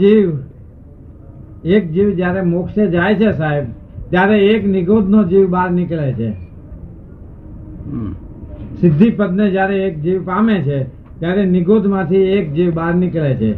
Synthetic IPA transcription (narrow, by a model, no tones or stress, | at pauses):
d͡ʒiʋ | ek̚d͡ʒiʋd͡ʒjaɾemokʃed͡ʒajt͡ʃʰesaɦeb | t̪jaɾeeknɪɡod̪ʱnod͡ʒiʋbaɾnɪklet͡ʃʰḛ | sɪd̪ʱːipəd̪ned͡ʒjaɾeek̚d͡ʒiʋpamet͡ʃʰe | t̪jaɾenɪɡod̪ʱmãt̪ʰiek̚d͡ʒiʋbaɾnɪklet͡ʃʰḛ